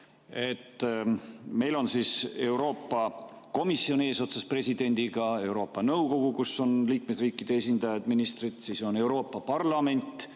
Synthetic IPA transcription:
e̞t̪ː | me̞jlo̞nsiːse̞wɾo̞ːpːˑɑ | ko̞misːio̞nie̞ːso̞t̪sɑspre̞sʲid̪̥e̞nʲd̪̥iɡ̥ɑe̞wɾo̞ːpːˑɑnɤwko̞ɡ̥ukuso̞nliːkmesriːkːˑid̪̥e̞esʲind̪̥ɑjɑd̪̥minist̪rit̪siːso̞ne̞wɾo̞ːpːˑɑpɑrlɑme̞nʲt̪ːˑ

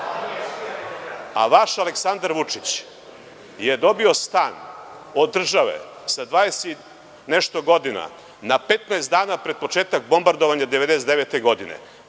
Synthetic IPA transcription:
a̰ʋaʃaleksand̪aɾʋut͡ʂit͡ɕ | jed̪o̞bio̞st̪aːn | od̪ːr̩ʒaʋḛsad̪vʋaːd̪eset̪ | neʃt̪o̞ɡo̞d̪ina̰ | nape̞t̪naest̪d̪aːnapɾed̪̚po̞t͡ʃeːt̪ak̚bo̞mbaɾd̪oʋaɲad̪eʋed̪esed̪eʋet̪eɡo̞d̪inḛ

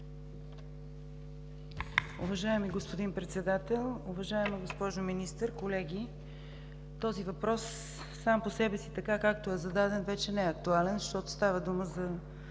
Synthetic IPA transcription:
ṵvɐʒaɛmiɡospod̪inpɾɛt̪sɛd̪at̪ɛlˠuvɐʒaɛməɡospɔʒominist̪əɾkolɛɡ̟ʲi | t̪ɔzivɐpɾɔsː | amposɛbɛsit̪ɐkakak̚t̪oɛzɐd̪ad̪ɛnvɛt͡ʃɛnɛɐk̚t̪ualɛnzʃt̪ɔt̪o̥st̪avəd̪uməzɐ

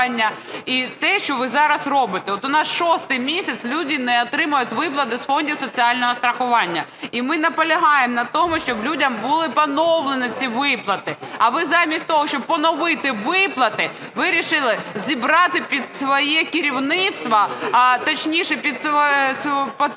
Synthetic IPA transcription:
nʲːɐit̪ɛʃt͡ʃɔʋɪzɑɾɐsɾɔbɪt̪ɛɔt̪ʊnɑsʃɔst̪ɪjmʲisʲɐt̪slʲudʲinɛɔt̪ɾɪmʊjʊtʲʋɪp̬lˠɐt̪ɪsfɔnʲdʲisɔt͡sʲiɑlʲnɔɦɔst̪ɾɐxʊʋɑnʲːɐimɪnɐpɔlʲɐɦɑjemnɐt̪ɔmʊʃt͡ʃɔblʲudʲɐmbʊlˠɪpɐnɔwlˠenɪt͡sʲiʋɪplˠɐt̪ɪɐʋɪzɑmʲisʲt̚ʲt̪ɔɦɔʃt͡ʃɔb̚pːɔnɔʋɪt̪ɪʋɪplˠɐt̪ɪ | ʋɪɾʲiʃɪlˠɪzʲibɾɑt̪ɪpʲid̪sʋɔjɛkɪɾʲiwnɪt̪st̪ʋɐt̪ɔt͡ʃnʲiʃɛpʲid̪sspɔ

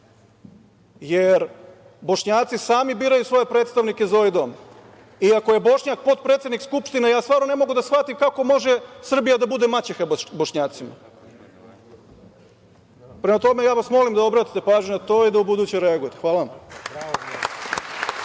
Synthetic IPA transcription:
jeɾ | bo̞ʃɲaːt̪sisaːmibiːɾajusʋo̞je̞pɾet̪st̪aʋnikezaoajd̪o̞m | iakoje̞bo̞ʃɲak̚po̞t̪̚pɾet̪sed̪nikskupʃt̪inejaːst̪ʋaːɾnone̞mo̞ɡud̪asxfat̪imkako̞mo̞ʒesr̩bijad̪abud̪emat͡ɕexabboʃɲaːt̪sima̰ | pɾemat̪o̞me̞jaːʋasmo̞limd̪aobɾaːt̪i̥t̪e̞paːʒɲunat̪oːid̪aubud̪uːt͡ɕeɾeaɡuje̞t̪exʋaːlaam

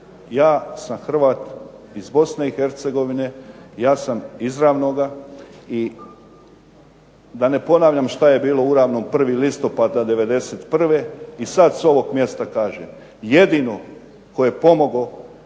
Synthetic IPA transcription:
jaːsamxr̩ʋaːt̪ | izbo̞sne̞ixe̞ɾt̪se̞ɡo̞ʋine̞jaːsamizɾaːʋno̞ɡai | d̪ane̞po̞naːʋʎamʃt̪aje̞biːlo̞uɾaːʋno̞mpr̩ʋilist̪o̞pad̪nad̪e̞ʋe̞d̪e̞set̪pr̩ʋe̞isad̪so̞ʋo̞ɡmje̞st̪akaːʒem | je̞d̪iːno̞ | ko̞jepo̞mo̞ɡo̞

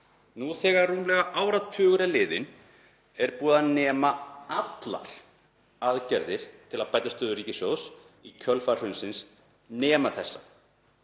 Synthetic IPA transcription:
nuθɛːɣaruːmlɛɣaʔaːwɾat̪ʰʏːɣʏɾalɪːðɪn | ɛɾpuːðanɛːmaat̪la̰ɾ̥ | aðcɛɾðɪɾ̥t̪ʰɪlaðpajt̪ːast̪œːðʏɾiːcɪsjows | icʰœlfaɾ̥hʏnsɪns | nɛːmaθɛsːa

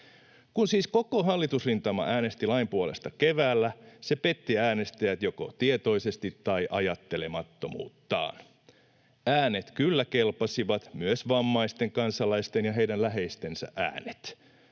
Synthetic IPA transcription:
kunsiːsko̞ko̞ɦɑlːit̪usrint̪ɑmɑ̰ʔæːne̞st̪ilɑimpuole̞̰st̪ɑke̞ʋæːlːæse̞pe̞t̪ːiæːne̞st̪æjæt̪jo̞ko̞̰t̪iet̪o̞jse̞st̪it̪ːɑjʔɑ̰jɑt̪ːe̞le̞mɑt̪ːo̞mṵːt̪ːɑ̰ːn | æːne̞t̪kylːæke̞lpɑsiʋɑt̪myøsʋɑmːɑjst̪e̞ŋkɑnsɑlɑjst̪enjɑɦe̞jdænlæɦe̞jst̪e̞nsæ̰ʔæ̰ːne̥t̪

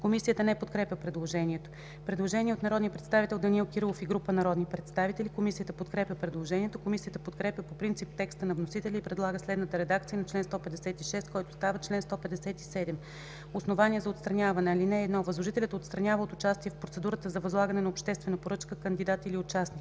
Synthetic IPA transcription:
komisijət̪ənɛpot̪kɾɛpʲəpɾɛd̪lˠoʒɛniɛt̪o̥ | pɾɛd̪lˠoʒɛniɛot̪nɐɾɔd̪niəpɾɛt̪st̪avit̪ɛlˠd̪ɐnilkiɾlˠofiɡɾupənɐɾɔd̪nipɾɛt̪st̪avit̪ɛlikomisijət̪əpot̪kɾɛpʲəpɾɛd̪lˠoʒɛniɛt̪okomisijət̪əpot̪kɾɛpʲjəpopɾint̪sip̚t̪ɛkst̪ənɐvnosit̪ɛlʲiipɾɛd̪lˠaɡəslɛd̪nət̪əɾɛd̪ak̚t̪sijənɐt͡ʃlɛnst̪ɔpɛd̪ɛsɛt̪iʃɛst̪̚kɔjt̪ʊ̥st̪avət͡ʃlɛnst̪ɔpɛd̪ɛsɛt̪isɛd̪ɛm | osnovanʲiɛzɐot̪st̪ɾɐnʲavɐnɛɐlinɛːd̪nɔvəzlˠoʒit̪ɛlʲət̪ot̪st̪ɾɐnʲavəot̪ʊt͡ʃast̪iɛfpɾot̪sɛd̪uɾət̪əzɐvɐzlˠaɡənɛnɐopʃt̪ɛst̪vɛnɐpoɾɤt͡ʃkəkənd̪id̪at̪iliot͡ʃasnik

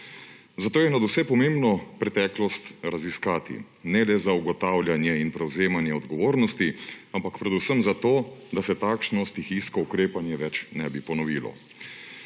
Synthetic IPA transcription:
zat̪oːjɛnad̪usɛpɔmembnɔpɾɛt̪ɛklɔst̪ɾaziskaːt̪ḭ | nɛlɛzauɡɔt̪aːwlʲjanjɛinpɾɛwzeːmanjɛɔd̪ɡɔʋoːɾnɔst̪iampakpɾɛd̪usəmzat̪oːd̪asɛt̪aːkʃnɔst̪ixiskɔukɾeːpanjɛʋɛt͡ʃnɛbipɔnɔʋiːlɔ̰

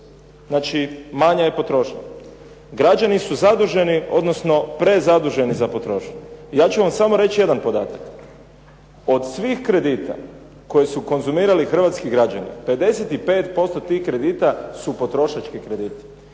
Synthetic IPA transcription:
znat͡ʃimaɲajepo̞t̪ɾo̞ːʃɲa̰ | ɡɾad͡ʒanisuzad̪uʒe̞nio̞d̪nosno̞pɾe̞zad̪uʒe̞nizapo̞t̪ɾo̞ːʃɲjaːt͡ʃuʋamsamo̞ɾe̞t͡ʃje̞d̪anpo̞d̪aːt̪ak | o̞d̪sʋixkɾe̞d̪iːt̪a̰ | ko̞jesuko̞nzumiːɾalixr̩ʋat̪skiɡɾad͡ʒanḭpe̞d̪e̞set̪ipeːt̪po̞st̪ot̪iːxkɾe̞d̪iːt̪asupo̞t̪ɾo̞ʃat͡ʃkikɾe̞d̪iːt̪i̥

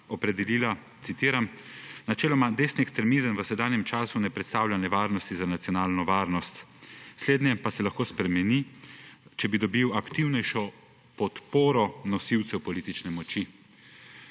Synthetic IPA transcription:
ɔpɾɛd̪ɛliːla | t̪sit̪iːɾamnat͡ʃɛːlɔmad̪esniɛkst̪ɾɛmizəmʋəsɛd̪aːnjɛmt͡ʃaːsunɛpɾɛt̪st̪aːwlʲanɛʋaːɾnɔst̪izanat̪sijɔnaːlnɔʋaːɾnɔst̪sleːd̪njɛpasɛlaxkoːspɾɛmɛni | t͡ʃɛbid̪ɔbiwakt̪iwnɛjʃɔ | pɔt̪poːɾɔnɔsiwt̪sɛwpɔliːt̪it͡ʃnɛmɔt͡ʃi

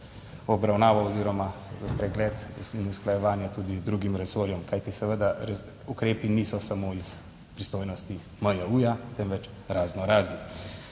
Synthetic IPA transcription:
ɔbɾawnaːʋaɔziːɾɔmapɾɛɡlɛːt̪sinusklajɛʋaːnjat̪uːd̪id̪ɾuːɡimɾɛsoɾjɔmkajt̪isɛʋəd̪aɾɛ | ukɾeːpiniːsɔsamoːis | pɾist̪oːjnɔst̪i | məjauːjat̪ɛmʋɛt͡ʃ | ɾaːznɔɾaːzni

